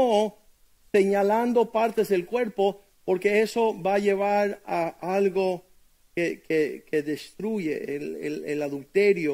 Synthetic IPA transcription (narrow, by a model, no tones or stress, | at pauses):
o | seɲaland̪o̞paɾt̪ezðelkwe̞ɾpo | poɾkeesoβaʝe̞β̞aɾaalɣo | kekekeðest̪ɾuʝḛḛlḛlḛlaðult̪eɾjo